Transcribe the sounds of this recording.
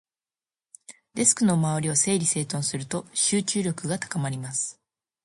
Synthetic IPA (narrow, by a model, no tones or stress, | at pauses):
d̪e̞sɨ̥kɯ̟nomaβɾʲiose̞ːɾʲise̞ːt̪õ̞ɰ̃sɨɾɯ̟t̪o̞ɕɨːt͡ɕɨːɾʲo̞kɯ̟ɡat̪ḁkamaɾʲimasɨ̥